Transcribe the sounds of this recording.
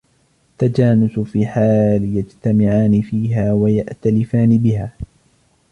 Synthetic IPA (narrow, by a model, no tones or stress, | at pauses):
ʔat̪ːad͡ʒaːnʊsʊfiːħaːljad͡ʒt̪amɪʕaːnɪfiːɦaːwajaʔt̪alɪfaːnɪbɪhaː